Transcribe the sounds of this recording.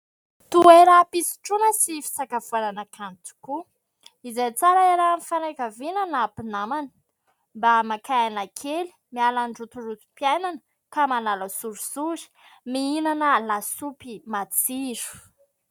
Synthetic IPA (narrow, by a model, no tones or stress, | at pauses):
t̪ueɾapisi̥ʈ͡ʂunəsifi̥sakafuananakʰant̪u̥ku | izajt͡saɾaeɾamifanakavinanapinamanə̥ | mbamakaanakʰeli̥mialanɖ͡ʐut̪urut̪u̥piajnanə | kamanaləsuɾusuɾi̥ | miinanəlasupimat͡siɾu̥